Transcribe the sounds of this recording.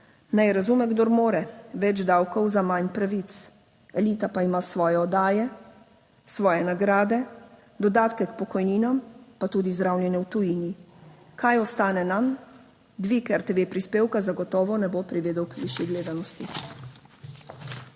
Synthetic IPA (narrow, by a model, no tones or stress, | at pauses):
najɛɾazumɛɡd̪oɾmoːɾɛʋɛd͡ʒd̪awkɔwzamaɲnpɾaʋit̪s | ɛliːt̪apaimasʋɔːjɛɔd̪aːjɛ | sʋɔːjɛnaɡɾaːd̪ɛ | d̪ɔd̪aːt̪kɛkpɔkɔjniːnampat̪uːd̪izd̪ɾawlʲjɛnjɛwt̪ujiːnikajɔst̪aːnɛnam | d̪ʋikɛɾt̪ɛʋeːpɾispeːwkazaɡɔt̪ɔːʋɔnɛbopɾiʋeːd̪ɔwkʋiʃjiɡleːd̪anɔst̪i